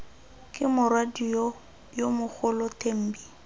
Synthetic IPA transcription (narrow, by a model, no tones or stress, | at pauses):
kʼɪmʊrwadijɔ | jomʊk͡xʰʊlɔtʼem̩ːbi